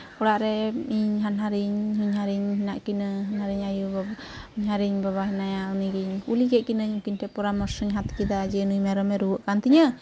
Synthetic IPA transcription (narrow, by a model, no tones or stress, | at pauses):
kɔɽaʔɾɛiɲɦanɦaɾiɲɦuɲhaɾiɲɦinaʔkinəɦanhaɾiɲajubaiɲɦaɾiɲbaβaɦɛnajaniɡiɲkuliɡɛʔ̚kinəɲukinʈʰɛpɔɾamɔɾsəɲɦat̪kid̪ad͡ʒɛnujmɛɾɔmɛɾuwəʔkant̪iɲə